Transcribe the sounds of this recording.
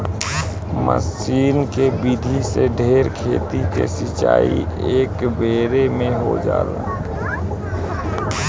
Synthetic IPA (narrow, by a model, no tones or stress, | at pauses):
mə̰siːnkebid̪ʱiseɖʱeːɾkʰeːt̪ikḛsɪt͡ʃa̰ːḭeːkbeːɾemẽɦod͡ʒa̰ːle